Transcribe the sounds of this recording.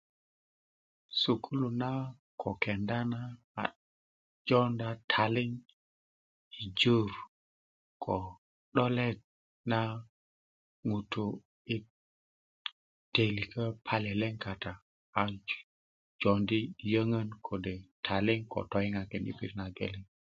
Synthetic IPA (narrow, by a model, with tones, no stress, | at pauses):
su˨kʰu˦lu˨na˦ | kʰo˨kɛ˨nda˦na̰ː˦˨ | d͡ʒɔ˦nda˦tʰa˨li˦ŋ | i˨d͡ʒu˦ɾ | kʰo˨ | ɗɔ˦lɛ˦d̚ | na˦ | ŋu˨tu˨ | i˦ | te˨li˨kʰə˦pʰa˦lɛ˨lɛ˦ŋka˨taː˨ | d͡ʒo˨ndi˦˨jə˦ŋə˦nkʰo˨de˨tʰa˨li˦ŋko̰˨to˨ji˦ŋa˨kɛ˨nḭ˨pi˦ɾna˨ɡḛ˨li˦ŋ